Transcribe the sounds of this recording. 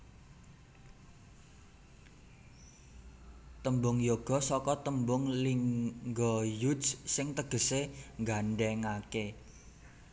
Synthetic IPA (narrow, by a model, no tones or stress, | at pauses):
t̪əmbʊŋjoɡ̥ɔ̤sɔkɔt̪əmbʊŋliŋɡɔjudssɪŋt̪əɡ̥ə̤seŋɡaɳɖɛŋake